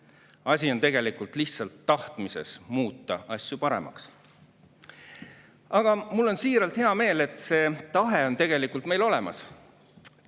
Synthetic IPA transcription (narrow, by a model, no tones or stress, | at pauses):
ɑsʲiont̪e̞ɡe̞likˑult̪ˑliht̪sɑlt̪ːɑht̪mise̞̰smuːt̪ːˑɑɑsʲjupɑɾe̞̰mɑ̰ks | ɑɡ̥ɑmulːo̞nsiːɾɑlt̪heɑme̞ːle̞t̪ˑse̞ːt̪ɑɦe̞o̞nt̪e̞ɡ̥e̞likːˑult̪me̞jlo̞le̞mɑ̰s